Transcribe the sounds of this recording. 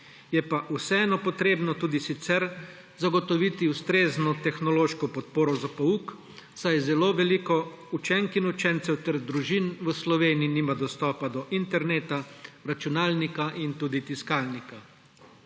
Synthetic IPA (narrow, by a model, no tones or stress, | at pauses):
jɛpaʔusɛɛːnɔpɔt̪ɾeːbnɔt̪uːd̪isit̪sɛɾ | zaɡɔt̪ɔʋiːt̪iust̪ɾeːznɔt̪ɛxnɔloːʃkɔpɔt̪poːɾɔzapɔuːk | sajzɛloːʋɛlikɔ | ut͡ʃɛŋkinut͡ʃɛnt̪sɛwt̪ɛɾd̪ɾuʒinʋəslɔʋeːniiniːmad̪ɔst̪ɔːpad̪ɔʔint̪ɛɾneːt̪aɾat͡ʃunaːlnikaʔint̪uːd̪it̪iskaːlnika